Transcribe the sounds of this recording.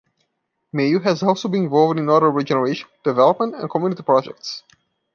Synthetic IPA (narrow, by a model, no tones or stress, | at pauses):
meuɦæzɔlˠsoʊbĩnɪ̃ɱvɔlˠvdɪ̃nɔɾə˞ɹid͡ʒɛnəɹeɪʃə̃nd̥ɨvɛlˠəp̚mə̃ntɛ̰̃nkʰɔmjunɪtipʰɹ̥ɔd͡ʒɛ̰k̚ts